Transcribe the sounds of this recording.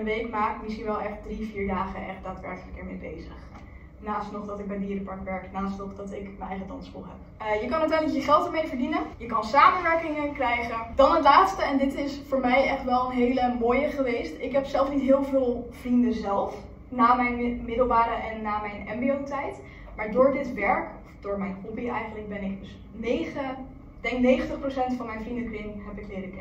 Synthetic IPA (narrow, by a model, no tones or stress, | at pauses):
ənʋejkmaːkmɪsχinʋɛlˠɛχt̚driviːɹdaːχəʔɛ̰χt̚d̥aːtʋɛ̰ɹkələkɛɹmḛːbḛjzəχ | naːstnɔχdɑtɪɡ̚bɛjdiːɾəpɑɹkʋɛɹknaːstnɔχdɑtɪkmənɛjχətɑnsfɔ̰lˠɦɛ̰p̚ | jəkɑnətɛləjəχɛlˠtəɹmejvəɹdinəjəkɑnsaːmənʋɛɹkɪŋəkrɛjχənd̥ɑnɦətlaːtstəɛndɪtɪsfʊːɹmɛjɛχtʋɛlˠənɦejləmoːjəχəʋejstɪkɦɛpsɛlˠfnitɦɪːlˠvɪːlˠv̥rindəzɛlˠf | naːmɛjnmɪdəlˠʋaːɾəʔɛnːaːmɛjnɛmbiowtɛjt | maːɹdʊːɹdɪtʋɛɹkɔfd̥ʊːɹmɛjnkobiɛ̰jχənlək̚bɛnɪk̚ds | neχə | dɛŋknejχəntəχprosɛntfɑnmɛjnvrindəklɪnɦɛpɪklɪːɾəkɛ